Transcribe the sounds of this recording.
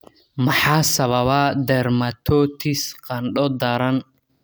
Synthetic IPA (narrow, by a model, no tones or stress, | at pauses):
mɐħɑːsɐβɐβad̪ɛrmɐt̪ʰɔːt̪ʰɪsqɑnɖɔd̪ɐɾɐn